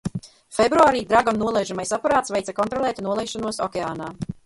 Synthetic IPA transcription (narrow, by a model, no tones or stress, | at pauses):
febɾuaːɾiːd̪ɾaɡannuɔlˠɛjʒamajsapaɾaːt̪svejt̪akɔnt̪ɾɔlˠɛːt̪nuɔlˠɛjʃanuɔsɔkʲɛaːnaː